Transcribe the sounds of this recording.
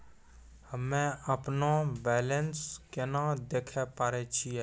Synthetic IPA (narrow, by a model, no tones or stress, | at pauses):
həmːɛ̃əpnobɛːlənskenad̪eːkʰɛpaːɾet͡ʃʰiɛː